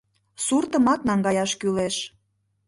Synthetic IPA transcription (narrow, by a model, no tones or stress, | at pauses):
surt̪əmɑt̪̚nɑŋɡɑjɑʃkyleʃ